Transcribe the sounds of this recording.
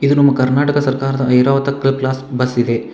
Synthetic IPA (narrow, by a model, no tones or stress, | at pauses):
id̪unɐmːɐkɐɾnaːʈɐkɐsɐɾkaːɾɐd̪ɐɐjɾaːʋɐt̪ɐklɐp̚klaːsbɐsid̪e̞